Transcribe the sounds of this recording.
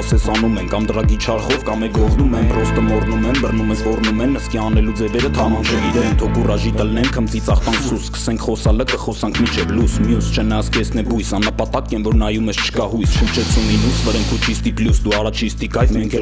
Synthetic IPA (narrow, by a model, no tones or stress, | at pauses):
sɛsɑnumɛnkɑmd̪əɾɑɡit͡ʃʰɑɾχɔvkɑmɛɾɔʁnumɛnprɔst̪əmɔrnumɛnbərnumɛsɔrnumɛnːəskiɑnɛlud͡zɛvɛɾət̪ʰɑmɑnt͡ʃʰəɡiɾɛɛnt̪ʰɔkʰurɑʒit̪əlnɛnkʰəmt͡sit͡sʰɑχt̪ɑŋkʰsuskə̥sɛŋkʰχɔsɑləkʰəχɔsɑŋkʰmit͡ʃʰɛvlusmjust͡ʃʰɛnɑskɛsnɛbujsɑnːəpɑt̪ɑkɛnvɔɾnɑjumɛst͡ʃʰə̥kɑɦujsʃənt͡ʃʰɛt͡sʰuminusvəɾɛmkʰut͡ʃʰist̪iplusd̪uɑrɑt͡ʃʰist̪ikɑjmɛŋkʰɛ